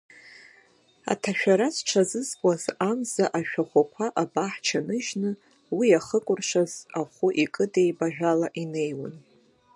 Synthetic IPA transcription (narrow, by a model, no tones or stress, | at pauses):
a̰tʰaʃᶣaɾazʈ͡ʂʰazɨzkʷʼazamzaʔaʃᶣaχʷakʷʰaʔabaħt͡ʃʰanɨʒnɨ | wiaχəkʷʼʊrʂazaχʷʊʔikʼɨdejbaʒᶣʷalaʔine̞jwa̰n